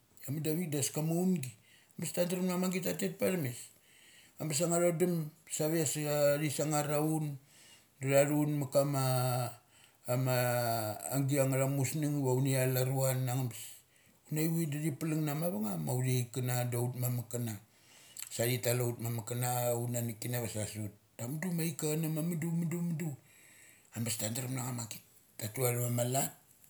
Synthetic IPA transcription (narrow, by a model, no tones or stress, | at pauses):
amadaβidaskamaunɡi | ambastantaɾmnamaŋɡitatetpaɾmes | ambas̬aŋaɾodamsaβeasaɾisaŋaɾaun | daɾaɾunmakama | maː | ŋɡiaŋaɾamusniŋβaunialaɾuanaŋambas | unajwidaɾipaliŋnamaβaŋamaudejkanadautmamakana | saɾitalaut̚mamakanaunanikinaβasasut̚damdumaikanamamidumidumidu | ambastandaɾamnaŋamakit | tatuaɾmamalat̚